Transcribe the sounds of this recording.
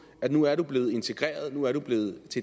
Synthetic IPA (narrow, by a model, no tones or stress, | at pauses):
ædnuæɐɾub̥le̝ːð̞̩ˠe̝nt͡sʰe̝ɡ̥ʁɛ̰ːɐð̞ˠnuæɐɾub̥le̝ːð̞̩ˠt͡sʰe̝